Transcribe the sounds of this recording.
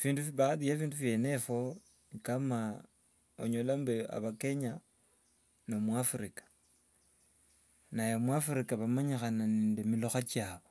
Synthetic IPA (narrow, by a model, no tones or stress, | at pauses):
fiːndufiβaðiafiːndufjenefo | nikama | o̰ɲolambea̰βake̞ɲa | nomwafuɾikḁ | najomwafuɾikaβamaɲixananiːndemiloxat͡ʃjaːβo